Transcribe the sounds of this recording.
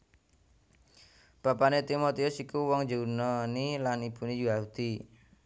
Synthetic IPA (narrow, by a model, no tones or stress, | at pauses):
b̥apanet̪imot̪iʊsikuwɔŋd͡ʒounɔnilanipunid͡ʒuaɦut̪i